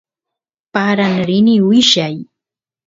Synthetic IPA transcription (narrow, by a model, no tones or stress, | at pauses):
paɾanɾɪnɪwɪʃaj